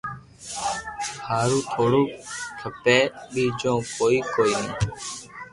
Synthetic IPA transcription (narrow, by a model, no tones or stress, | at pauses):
haːɾũːt̪ʰoːɽoːt̪ʰəpɛːɓiːd͡ʒõːkoːiːkoːiːẽː